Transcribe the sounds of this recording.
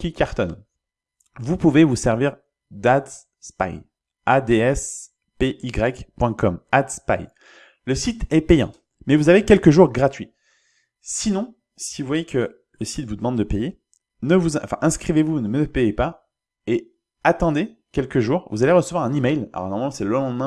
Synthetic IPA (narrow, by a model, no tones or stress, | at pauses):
kʲikʲaʁt̪ɔn | vupuvevusɛʁviʁ | d̪ad̪ | spa̰j | ad̪eɛs | peʔiɡʁɛkpwɛ̃kɔmad̪spa̰j | ləsit̪ʰɛpejɑ̰̃ | mɛvuzavekʲɛlkəʒuʁɡʁat̪ɥi | sinɔ̃ | sivuvwajekə | ləsit̪vud̪əmɑ̃d̪ːəpeje | nəvuzɑ̃fɛ̰̃ʔɛ̃skχivevunəməpejepa | e | at̪ɑ̃d̪ekʲɛlkəʒuːʁvuzaleʁəsəvwaʁɛ̃nimɛjla̰lɔ̰ʁnɔʁmalɑ̃sɛləlɑ̃d̪mɛ̃